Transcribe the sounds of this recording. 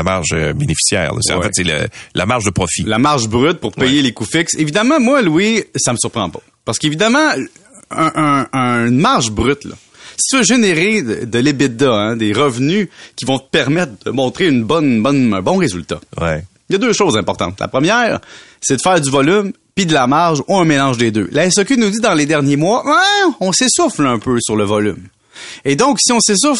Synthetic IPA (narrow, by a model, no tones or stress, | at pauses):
ama̰ʁʒəbenefi̥sjɛ̰ːʁlə̰sḛɑ̰̃wfɛt̪selə̰lamaʁʒd̪əpʁɔfilamaʁʒbʁyt̪̚puʁppɛjelekufɪksevid̪amɑ̃mwaluwisaməsyʁpχɑ̃pɔ̥ | paʁsə̥kevid̪amɑ̃ | ə̃ʔə̃nmaʁʒbʁyt̪lʌ̰ | si̥t̪yvøʒeneʁeəd̪əlebɪd̪ɔɛ̃d̪eʁəvnykʲivɔ̃t̪ə̥pɛʁmɛt̪χd̪əmɔ̃t̪χeynbɔnbɔnɛ̰̃bɔ̃ʁezylt̪a̰wɛ̰ | jad̪øːʃoːzɛ̃pɔʁt̪ɑ̰̃t̪lʔa̰pχəmjɛːʁsɛd̪əfɛːʁzyvɔlym | pid̪əlamaʁʒuɛ̃melɑ̃ʒd̪ed̪ø̰laɛsɔkʲynud͡zid̪ɑ̃led̪ɛʁnjemwaʔɛɔ̃sesʊflœ̃pøsyʁləvɔlʏ̰m | ed̪ɔ̃ksiɔ̃sesʊf